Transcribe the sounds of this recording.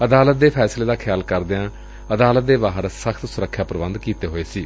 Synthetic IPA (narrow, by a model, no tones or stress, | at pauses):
əd̪aːlət̪̚d̪eːpʰɛːsleːd̪aːkʰɪjaːlkəɾd̪eãː | əd̪aːlət̪̚d̪eːʋaːɦəɾsəkʰt̪sʊɾəkʰːjaːpəɾʋə̃nd̪kiːt̪eːɦoːeːsiː